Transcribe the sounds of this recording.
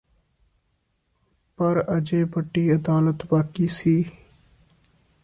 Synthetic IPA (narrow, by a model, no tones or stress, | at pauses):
pəɾəd͡ʒeːbəʈːiːəd̪aːlət̪baːkiːsiː